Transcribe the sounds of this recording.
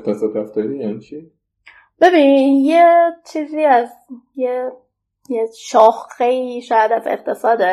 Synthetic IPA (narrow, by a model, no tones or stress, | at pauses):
t̪ʰæsɒːd̪ɾæft̪ɒːɾijænit͡ʃʰi | b̥e̞biːnijet͡ʃʰiːziːæzje | jeʃɒːxeiːʃɒːjæd̪æzḛqt̪ʰe̞sɒːd̪e